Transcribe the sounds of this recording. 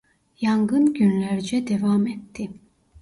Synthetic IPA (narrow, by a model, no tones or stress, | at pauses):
jaŋɡɯnɟynlʲæɾd͡ʒɛd̪ɛvaːmɛt̪ʰːi